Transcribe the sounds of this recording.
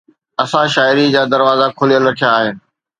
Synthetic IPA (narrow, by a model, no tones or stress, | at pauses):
ɐsãʃaːɪɾid͡ʑaːd̪ɐɾʋaːzakʰʊlijəlɾɐkʰijaːɦɪnɪ̆